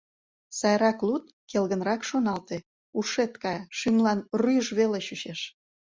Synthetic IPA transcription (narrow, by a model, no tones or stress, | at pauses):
sɑjɾɑklut̪̚kelɣənrɑkʃonɑlt̪e | uʃet̪kɑjʃymlɑnryʒβeleɕyʃeʃ